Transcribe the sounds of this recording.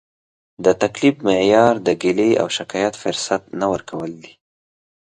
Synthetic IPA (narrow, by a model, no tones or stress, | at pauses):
d̪ət̪aklibmɪʕjɑɾd̪əɡɪlea̰wʃɪkɑjat̪fʊɾsat̪nawəɾkawəld̪i